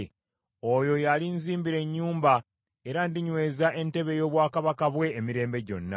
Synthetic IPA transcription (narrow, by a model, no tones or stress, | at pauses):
ojo̞jalinziːmbiɾe̞ɲːuːmba | e̞ɾandiɲwe̞ːzaʔe̞nte̞βe̞jo̞ːβwaːkaβakavwe̞ːmiɾe̞ːmbe̞ɟo̞̰nːa̰